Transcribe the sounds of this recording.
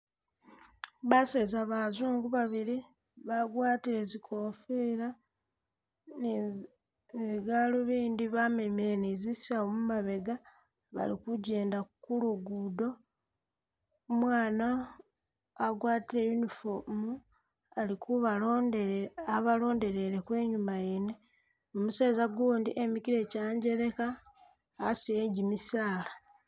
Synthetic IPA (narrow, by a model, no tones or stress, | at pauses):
βasezaβazuːŋɡuβaβiɾi | βaɡwaːtiɾe̞zikʰofeːɾa | n | ziɡaloβiːndiβamemeɾenezisaomumaβe̞ɡa | βa̰likuɟe̞ːndakuluɡudo̞ | mwaːna | aɡwaːtiɾejunifomu | alikuβa | aβalo̞ːnde̞ɾe̞ɾekwe̞ːɲumajene | omuseːzaɡuːndiʔemikiɾe̞caːɲɟe̞ɾe̞kaː | sijeɲɟimisaːla